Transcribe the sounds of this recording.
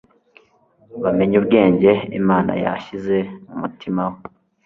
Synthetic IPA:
βame̞ɲubɡe̞ːɲɟe̞ḭmaːna̰ja̰çize̞mumutimawo

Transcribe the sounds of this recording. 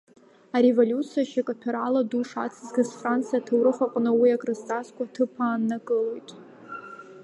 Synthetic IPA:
aɾe̞volʲut͡sʰijaʃakʼapʲʰᶣaɾaladuʂa̰t͡sʰɨzɡazfrant͡sʰijatʰawɾɨχʷaqʷʼnɨwiakʼrɨstʼaskʷʰʼatʰɨpʰaːnːakʼɨlojtʼ

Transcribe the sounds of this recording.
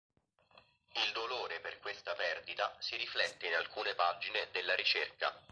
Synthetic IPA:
ild̪oloːɾeperkwest̪apɛrd̪it̪asiɾiflɛt̪ːeinalkuːnepad͡ʒined̪elːaɾit͡ʃerka̰

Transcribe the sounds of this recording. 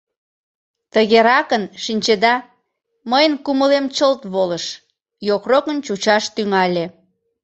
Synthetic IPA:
t̪əɣeɾɑkənʃinʲt͡ɕed̪ɑ | məjənkuməlemt͡ɕəlt̪βoləʃ | jokrokənt͡ɕut͡ɕɑʃt̪yŋɑlʲe

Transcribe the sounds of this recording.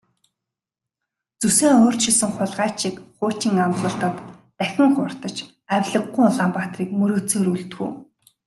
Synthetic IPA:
t͡suseːŋoːr̥t͡ɕt͡ɕʰisɘ̆ŋχʊɮʁaːt͡ɕikχʊːt͡ɕiːŋamt̪ɮə̆ɬt̪ə̆t̪ː | æxʲɪ̆ŋχʊr̥t̪ə̆t͡ɕ | æwʲɮə̆ɡːujʊɮaːmpat̪riːkmɵɾoːt͡seːɾuɮt̪ɡṵː

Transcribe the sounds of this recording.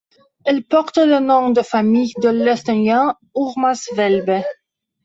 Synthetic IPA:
ɛlpɔʁt̪lənɔ̃d̪əfamijd̪əlɛst̪ɔnjɛ̃ | uʁmasvɛlbɛ

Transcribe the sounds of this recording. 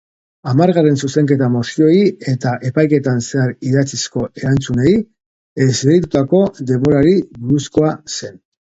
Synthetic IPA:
amaɾɣare̞nsuse̞ŋke̞t̪amosio̞ie̞t̪aʔe̞pajke̞t̪anse̞aɾiðat͡sisko̞e̞ɾant͡sune̞i | e̞zβeɾit̪ut̪ako̞d̪e̞mo̞ɾaɾiβuɾusko̞ase̞n

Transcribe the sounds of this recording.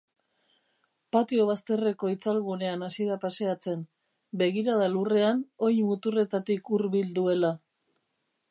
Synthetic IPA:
pat̪io̞β̞ast̪e̞re̞ko̞it͡salɣune̞anasiðapase̞at͡se̞n | be̞ɣiɾaðalure̞ano̞jmut̪ure̞t̪at̪ikuɾβild̪ue̞la

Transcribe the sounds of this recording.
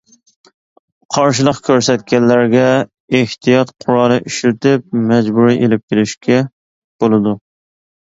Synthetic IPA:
qʰɑɾʃ̬ɨlˠəqkʲʰøɾsɛt̪kʲɛnːæɾɡʲɛ | eht̪ʰijɑt̪qʰʊɾɑlnɨʔyʃɾɪt̪ɪp̚mɛd͡ʒbuɾiʔelɪp̚kʲelɪʃkʲʰɛ | b̥olˠɨd̪u

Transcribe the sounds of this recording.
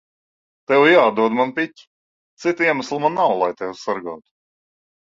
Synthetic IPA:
t̪ɛwjaːd̪uɔd̪manpʲitʲi̥ | t̪sit̪iɛmaslˠumanːawlˠajt̪ɛwsaɾɡaːt̪u̥

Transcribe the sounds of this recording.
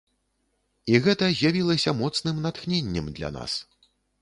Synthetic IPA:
iɣɛt̪ɐzʲjavʲilˠɐsʲɐmɔt̪snɨmnat̪xnʲenʲːɛmd̪lʲa̰na̰s

